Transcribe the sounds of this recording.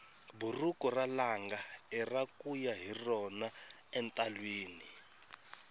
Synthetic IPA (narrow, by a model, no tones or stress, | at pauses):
burukɔralaŋɡaɛrakujaɦirɔna | ɛntʼalweːni